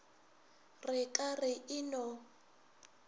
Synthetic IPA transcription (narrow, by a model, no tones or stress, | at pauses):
rɪkʼarɪʔɪnɔ